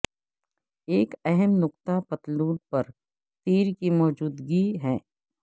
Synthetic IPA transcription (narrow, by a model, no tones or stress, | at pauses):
eːkɛɦɛmnʊqt̪apɐt̪luːd̪̚pɐɾ | t̪iːɾkimɔːd͡ʒuːd̪ɡiɦɛː